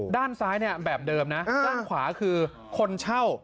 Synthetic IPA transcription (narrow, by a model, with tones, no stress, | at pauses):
daː˥˩nsaː˦˥jni˥˩ɐbɛː˨˩p̚dɤː˧mna˦˥˧taː˥˩kʰwaː˩˦kʰɯː˧ | kʰo˧nt͡ɕʰa˥˩w